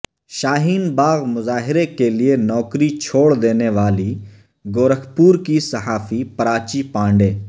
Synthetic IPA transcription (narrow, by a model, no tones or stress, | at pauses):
ʃaːɦiːnbaːɣmʊzaːɦɪɾekelɪenɔːkɾit͡ʃʰoːɽd̪eːneʋaːli | ɡoːɾəkʰpuːɾkisɐɦaːfipɐɾaːt͡ʃipãːɳɖeː